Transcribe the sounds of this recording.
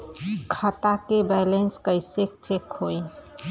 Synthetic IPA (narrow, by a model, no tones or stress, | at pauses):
kʰət̪akebɛlenskəɪsek̚t͡ʃekɦoj